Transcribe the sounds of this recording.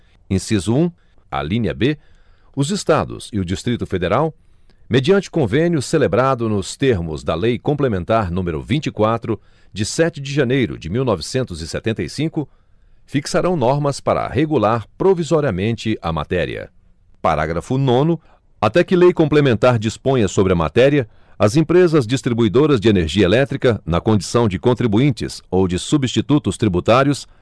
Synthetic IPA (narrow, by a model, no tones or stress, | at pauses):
ẽsizʊũ | ɐ̰lĩɲɐ̰be | ʊzɪst̪ad̪ʊ̰siʊd͡ʒist̪ɾit̪ʊfed̪eɾaw | med͡ʒiɐ̃nt͡ʃɪʊ̥kõvẽnjʊselebɾad̪ʊnʊst̪eɾmʊ̰zd̪ɐlejkõmplemẽnt̪aɾnũmeɾʊ̰vĩnt͡ʃikwat̪ɾʊ | d͡ʒɪsɛt͡ʃɪd͡ʒɪʒɐnejɾʊ̰d͡ʒɪmiwnɔvɪsẽnt̪ʊzɪsḛt̪ẽnt̪ɐjsĩkʊ | fiksaɾɐ̃w̃nɔɾmɐspaɾɐ̰heɡulaɾpɾovizɔɾiɐmẽnt͡ʃɪʔɐ̰ma̰t̪ɛɾḭɐ̰ | pa̰ɾa̰ɡɾɐfʊnõnʊ | at̪ɛkɪlejkõmplemẽnt̪aɾd͡ʒispõj̃ɐsobɾɪɐma̰t̪ɛɾiɐ | ɐzẽpɾezɐzd͡ʒist̪ɾibuid̪oɾɐzd͡ʒɪeneɾʒiɐelɛt̪ɾikɐnɐkõd͡ʒisɐ̃w̃d͡ʒɪkõnt̪ɾibuĩnt͡ʃɪ̰sowd͡ʒɪsubist͡ʃit̪ut̪ʊst̪ɾibut̪aɾjʊs